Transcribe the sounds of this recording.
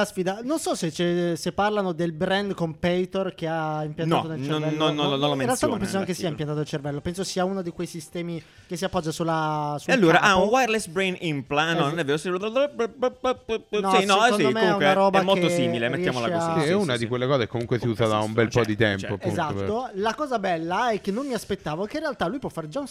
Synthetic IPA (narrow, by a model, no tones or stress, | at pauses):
asfiːd̪anonsɔset͡ʃesepːarlanod̪elbɾɛnd̪kompɛjt̪orkeaimpjant̪at̪onelt͡ʃnonːonːonːõnlamẽrɾealt̪anõmpɛns̬oaŋkesiːaimpjant̪at̪oelt͡ʃervɛlːopɛnsosiaunod̪ikwejsist̪ɛːmi | kesiapːɔd͡ʒːasulːasualːoːɾaʔaunwajɾlɛsbɾejnimplannonɛvːeːɾosiod̪d̪o | nɔsinnɔekond̪omeɛunaɾɔːbakmolt̪osiːmilemet̪ːjaːmoalakɛunad̪ikwelːekɔːzekːomuŋkwesiuːzad̪aumbɛlpɔd̪it̪ɛmpoapeuzat̪ːolakɔːzabɛlːaɛkːenːomːiaspet̪ːaːvokːeĩrealt̪alːujpwɔfːaɾd͡ʒaun